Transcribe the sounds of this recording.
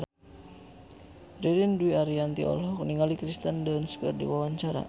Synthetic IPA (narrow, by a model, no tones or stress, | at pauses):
riɾinduiaɾiant̪ḭɔ̰lɦɔkniŋalikɾist̪əndanspɛ̰rdḭwawaɲt͡ʃaɾa̰